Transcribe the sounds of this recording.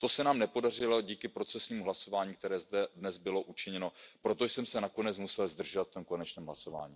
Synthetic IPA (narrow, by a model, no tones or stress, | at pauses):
t̪o̞sɛnaːmnɛpo̞dar̝ɪlo̞ɟiːkɪpɾo̞t͡sɛsɲiːmuɦlaso̞vaːɲiːk̚t̪ɛɾɛːzdɛdnɛzbɪlo̞ʔut͡ʃɪɲɛno̞pɾo̞t̪oʃsɛmsɛnako̞nɛt͡smusɛlzd̪r̩ʒovat̪ft̪o̞mko̞nɛt͡ʃnɛːmɦlaso̞va̰ːɲiː